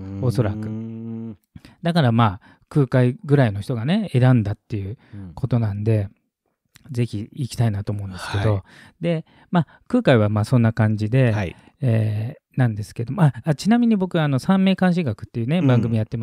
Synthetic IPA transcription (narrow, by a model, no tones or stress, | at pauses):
o̞so̞ɾakɯ̟ | d̪akaɾamaː | kɯ̟ːkaiɡɯ̟ɾaino̞çi̥t̪o̞ɡane̞e̞ɾãnd̪at̪ːe̞jɯ̟kʰo̞t̪o̞nãnd̪e̞ | ze̞çʲiikʲi̥t̪ainat̪o̞ːmo̞ɯ̃nd̪esked̪o̞ | d̪e̞ | maː | kɯ̟ːkaiβamaːsõ̞nːakãɲ̟d͡ʑid̪e̞iː | nãnd̪e̞sɨ̥ke̞d̪o̞moaat͡ɕinamʲiɲ̟ibo̞kɯ̟ano̞sãmːe̞ːkãɰ̃ɕ̬iɡakɯ̟̥t̪ːe̞jɯne̞bãŋɡɯ̟mʲijat̪ːe̞ma